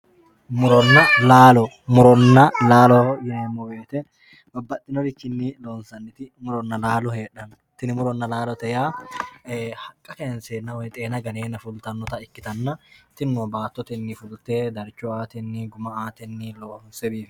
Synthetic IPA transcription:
mʊɾɔnːɐlaːlɔ | mʊɾɔnːɐlaːlɔjɛːmːɔweːt̪ɛ | bɐbːɐt̪ʼːɪnɔɾɪkɪnːiloːnsɐnːɪt̪ɪmʊɾɔnːɐlaːlɔheːᶑɐn | t̪ɪnɪmʊɾɔnːɐlaːlɔt̪ɛjaː | hɐkʼːɐkeːnseːnːɐwɛt̪ʼeːnɐɡɐneːnɐfʊlt̪ɐnːɔt̪ɐɪkːɪt̪ɐnːɐt̪ɪnːoːbaːt̪ːɔt̪ɛnːɪfʊlt̪eːd̪ɐɾt͡ʃːɔaːt̪ɛnːɪɡʊmɐaːt̪ɛnːiloːnsɛbiːf

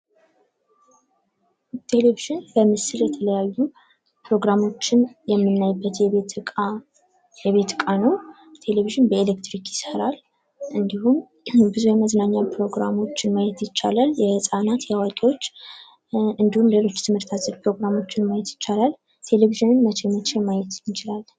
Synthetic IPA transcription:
t̪ʰe̞leviʒɪnbəmɨsɨljɛt̪ʰələjajːu | pɾo̞ɡɾamo̞t͡ʃːɪnjɛmːɨnːajbːət̪jɛe | jɛβe̞t̪kʼanəw | t̪ʰe̞leviʒɪnbəelekt̪ɾikjɪsəɾal | ʔɨnd̪ihum | bɨzujɛməznaɲːapɾo̞ɡɾa̰mo̞t͡ʃːɪnmajɛt̪jɪt͡ʃːalaljɛsʼanat̪jawakʼiwo̞t͡ʃː | ɨnd̪ihumlelo̞t͡ʃːt̪ʰɨmhɨɾt̪ʰazʼəɾpɾo̞ɡɾamo̞t͡ʃːɪnmajɛt̪jɪt͡ʃːalal | t̪ʰe̞leviʒɨnɨnmət͡ʃʰemət͡ʃʰemajɛt̪t͡ʃʰɪlal

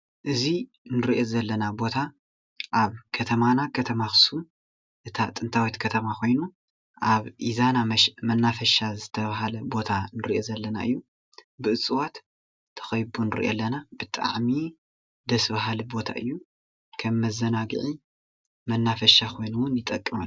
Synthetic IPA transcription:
ʔɨzi | nɨɾiʔo̞zɐlːɐnabo̞t̪ʰa | ʔaβkʰɐt̪ʰɐmanakʰɐt̪ʰɐmaxɨ̥su | ʔɨt̪ʰat̪ʼɨnt̪ʰawit̪kʰɐt̪ʰɐmakʰo̞jnu | ʔaβʔizanamɐnːafɐʃazɨt̪ʰɐβaɦalɐbo̞t̪ʰanɨɾiʔo̞zɐlːɐna̰ʔɨ̰jːu | bɨʔɨt͡sʼɨwat̪ | t̪ʰːɐ̥xɐjbunɨɾiʔo̰lːɐnab̥ɨt̪ʼa̰ʕmi | d̪ɐsβaɦalɨbo̞t̪ʰa̰ʔɨjːu | kʰɐmːɐzɐnaɡɨ̰ʕi | mɐnːafɐʃakʰo̞jnuwʊnjɪt̪ʼɐkʼːɨmɐl

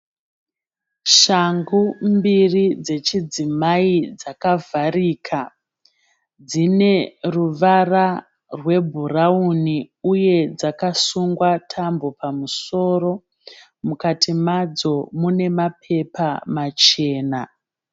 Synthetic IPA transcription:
ʃaŋɡumbirid͡ze̞t͡ʃid͡zimaid͡zakavʱaɾiːkʰa | d͡zine̞ruʋara | rwe̞bʱurauniuje̞d͡zakasuŋɡwatʰambo̞pamuso̞ro̞ | mukatimad͡zo̞mune̞mapʰe̞pamat͡ʃe̞ːna

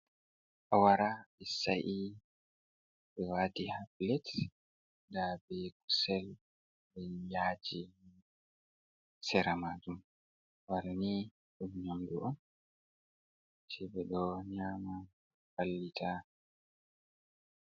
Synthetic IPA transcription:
ʔawaɾabɛsaʔi | bɛwaːtihaplɛt | dabɛku̥sɛl | bɛjaːd͡ʒi | sɛɾamad͡ʒum | waɾani | ɗumɲamduʔɔn | sɛbɛɗɔɲama | falːitʰa

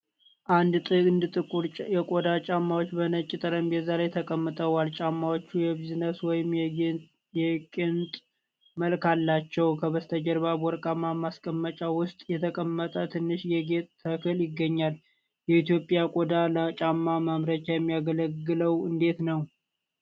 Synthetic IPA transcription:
ʔand̪t̪ʼɨɨnd̪ɨt̪ʼɨkʼuɾjɛkʼod̪at͡ʃʼamːawot͡ʃːbənət͡ʃʼːɪt̪ʼəɾəmbjɛzalajt̪ʰəkʼəmːɨt̪ʼəwalt͡ʃʼamːawot͡ʃːujɛbiznəswɔjɪm | jɛkʼɪnt̪ʼ | məlkalːat͡ʃːɛwkʰəβəst̪ʰəd͡ʒəɾbabɔɾkʼamːamaskʼəmːət͡ʃʼawʊst̪ʼjɛt̪ʰəkʼəmːət̪ʼət̪ʰɨnːɨʃjɛɡet̪ʼːʰəkʰɨljɪɡːəɲːal | jɛit̪jo̞pʼɪjakʼod̪alət͡ʃʼamːamamɾət͡ʃajɛmːijaɡələɡːɨləwɨnd̪e̞t̪nəw

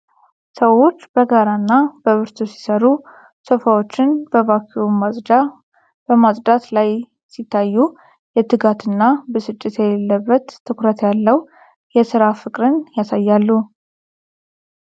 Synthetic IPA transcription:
səwo̞t͡ʃːbəɡaɾaɨnːab̥əβɨɾt̪ʰosi̥səɾu | sofawo̞t͡ʃːɪnbəβakʰːiom | b̥əmasʼd̪at̪laj | sit̪ʰːajːu | jɛt̪ɨɡat̪ʰɨnːabəsɨt͡ʃʼːɪt̪jɛlelːəbːət̪ʰːɨkɾət̪ʰjalːəw | jɛsɨɾafɨkʼɾɨnjasajːalːu

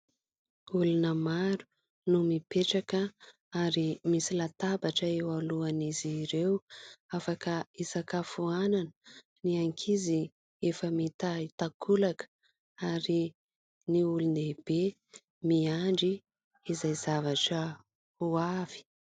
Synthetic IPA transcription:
ulunəmaɾu̥ | numipeʈ͡ʂakə | aɾimisilat̪abaʈ͡ʂəewaluaniziɾewafakəisakafuananə | niaŋkʰizi | efəmit̪ait̪akʰulakə̥ | aɾi | niuluneb̥e | miaɳɖ͡ʐi | izajzavaʈ͡ʂə | huav̥i̥

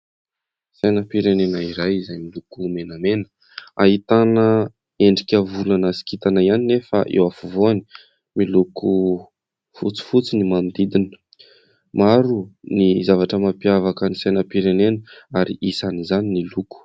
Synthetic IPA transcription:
sajnəpiɾenenaiɾajizajmilukumenamenə̥ | a̰ɦit̪anə | eɳɖ͡ʐikʲəvulanəsi̥kit̪anaianinefa̰ʔḛwafuvoani̥ | miluku | fut͡si̥fut͡sinimand̪id̪inə̥ | maɾunizavaʈ͡ʂəmapiavakənisajnəpiɾenenəaɾiʔisanizaniniluku̥

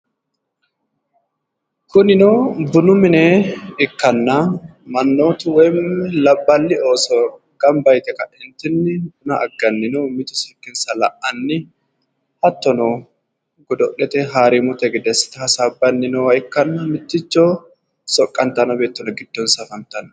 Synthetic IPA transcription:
kʊnɪnoːbʊnʊmɪneːɪkːɐnːaːmɐnːoːt̪ʊwɐjmɪlɐbːɐlːɪo̞ːsɔ | ɡ̥ɐmbɐjt̪ɛkɐʔɛnt̪ɪnːɪbʊnɐʔɐ̰ɡːɐnːɪnumɪt̪ʊ̥sɛkːɪnsɐlɐʔɐnːɪ | hɐt̪ːɔno | ɡɔd̪ɔʔɛt̪ɛɦaːɾimʊt̪ɛɡɪd̪ɛsɪ̥t̪ɪhɐsaːbːɐnːɪnoɐɪkːɐnːɐmɪt̪ːɪt͡ʃːoː | sɔkʼːɐnt̪ɐnɔbeːt̪ːɔnɐɡɪd̪̥ːoːnsɐfɐnt̪ɐn

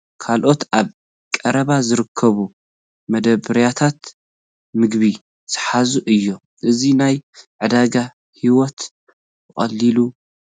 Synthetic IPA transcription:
kʰalʔo̞t̪aβ | kʼɐɾɐβazɨɾɨkʰːɐβu | mɐd̪ɐbɨɾjat̪ʰat̪ | mɨɡβi | z̥ɨħazuʔɨjːo̞ | ʔɨzinajʕɨd̪aɡa | hiwɔt̪ | bɨχʼɐ̰lːilu

